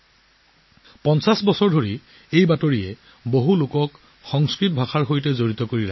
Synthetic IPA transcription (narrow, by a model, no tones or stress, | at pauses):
pɔnsasbɔsɔɹdʱoɹi | ejbatoɹijɛ | boɦulʊkɔk | xɔŋskɹit̚bʱaxʰaɹɦojtɛzoɹit̪ɔkoɹiɹak